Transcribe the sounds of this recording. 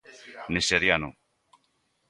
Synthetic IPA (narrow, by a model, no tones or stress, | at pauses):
niseɾjanu